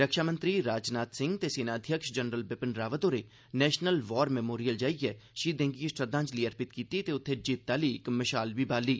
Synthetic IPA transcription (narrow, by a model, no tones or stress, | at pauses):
ɾəkʃaːmə̃nt̪ɾiɾaːd͡ʒnaːt̪sɪ̃ŋɡt̪eseːnaəd̪ʱjəkʃd͡ʒənɾəlbɪpənɾaːʋət̪oːɾe | nɛːʃnəlʋɔːɾmɛmoːɾijəld͡ʒaːiɛʃiːd̪ẽːŋɡisʈɾəd̪ãːnt͡ʃliɐɾpɪt̪kiːt̪it̪eʊt̪ʰːed͡ʒiːt̪̚t̪ːaːliːkmɐʃaːlbibaːliː